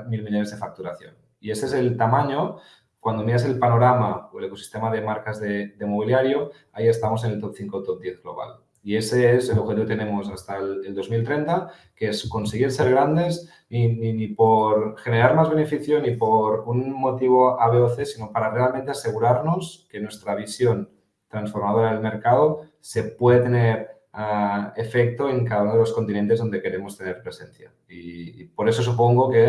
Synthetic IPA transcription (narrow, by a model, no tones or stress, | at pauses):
milmiʎonezðe̞fak̚t̪uɾaθjo̞̰n | ie̞seese̞lt̪amãɲo̞ | kwand̪o̞miɾas̬e̞lpano̞ɾamaoele̞ko̞si̥st̪e̞maðe̞maɾkazðe̞d̪e̞mo̞β̞iljaɾjo | aie̞st̪amo̞sene̞lt̪o̞p̚θiŋko̞t̪op̚d̪je̞θɣlo̞β̞a̰l | ie̞seese̞loxet̪iβt̪ene̞mo̞sast̪aleld̪o̞zmilt̪ɾe̞nt̪a | keesko̞nseɣiɾse̞ɾɣ̞ɾand̪e̞s | nininipo̞ɾxe̞ne̞ɾaɾmazβe̞ne̞fiθjonipoɾunmo̞t̪iβ̞oaβeoθesino̞paɾare̞almẽnt̪e̞ase̞ɣ̞uɾaɾno̞ske̞nwe̞st̪ɾaβ̞isjo̞n | t̪ɾansfo̞ɾmað̞o̞ɾaelme̞ɾkað̞o̞ | se̞pwe̞ðet̪e̞neɾ | aefek̚t̪o̞e̞ŋkaðaunoðelo̞skont̪inent̪e̞zðo̞nd̪e̞ke̞ɾe̞mo̞st̪e̞ne̞ɾpɾe̞se̞nθja̰ | ipo̞ɾe̞so̞sup̬o̞ŋɡoke